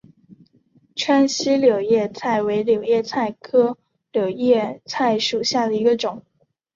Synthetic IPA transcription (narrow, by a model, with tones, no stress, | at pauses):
ʈ͡ʂʰa˥nɕi˥ljo˨˩ʊjɛ˥˧t͡sʰa˥˩ɪwe˧˥ɪljo˨˩ʊjɛ˥˧t͡sʰa˥˩ɪkʰɤ˥ | ljo˨˩ʊjɛ˥˧t͡sʰa˥˩ɪʂu˨˩ɕja˥˩d̪ə˩i˧˥ɡə˧ʈ͡ʂʊ˨˩˦ŋ